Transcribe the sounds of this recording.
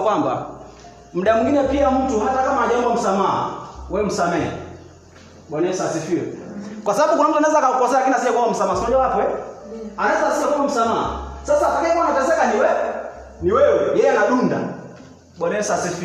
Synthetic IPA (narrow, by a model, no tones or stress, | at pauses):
kwamba̰ | m̩ɗamwiŋɡinɛpiam̩tuhatakamaːʄaɔmbam̩samaa̰wɛm̩samɛa̰ | ɓɔnɛsasifiwɛkwasaɓaɓukunam̩tuanaɛzakaukɔsɛaakinasiɛkwawam̩samaːsmɔʄawapɛ | anaɛzasiɛkawɔm̩samaa̰sasatakiɛkanat͡ʃɛzɛkaniwɛ | niwɛujɛjɛanaɗunda̰ | ɓɔnɛsasifi